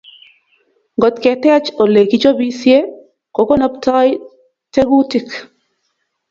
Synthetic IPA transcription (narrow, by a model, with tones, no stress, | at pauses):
ŋɡɔ˨t̪kɛ˨tɛ˦a˦t͡ʃo˨le˨ki˦t͡ʃo˦bi˦sje˦ | ko˨ko˦na˦ptɔ˦j | te˦ɡu˦ti˨k